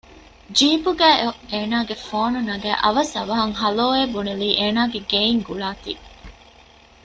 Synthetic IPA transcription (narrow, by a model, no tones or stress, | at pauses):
d͡ʒiːbuɡæːeeːnaːɡefoːnunɐɡæ̰ːʔɐ̰ʋɐsɐʋɐɦɐŋɦɐloːeːbuneliːʔeːnaːɡeɡeːiŋɡuɭaːt̪ḭ